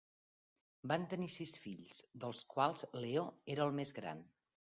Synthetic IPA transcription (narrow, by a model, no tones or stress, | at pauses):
bant̪ənisisfiʎz̥d̪əlˠskwalˠz̥leoeɾəːlˠmezɣɾa̰n